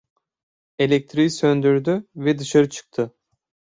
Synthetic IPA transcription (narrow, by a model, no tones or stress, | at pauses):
elʲek̚t̪ʰɾijisønd̪yɾd̪yvɛd̪ɯʃaɾɯt͡ʃʰɯ̥k̚t̪ʰɯ